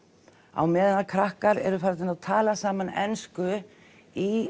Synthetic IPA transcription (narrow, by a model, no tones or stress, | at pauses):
a̰wmɛːðanakʰɾahkaɾɛ̰ɾʏfaɾt̪ɪnawt̪ʰaːlasaːmanɛ̰nskʏ | i